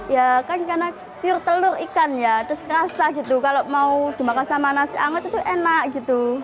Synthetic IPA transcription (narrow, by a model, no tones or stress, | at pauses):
jakankarna | piʊrt̪əlʊrikanjat̪ɾʊskəɾasaɡit̪ukaloʔmaud̪̥i̤makasamanasiaŋət̪̚it̪uʔenaʔɡit̪u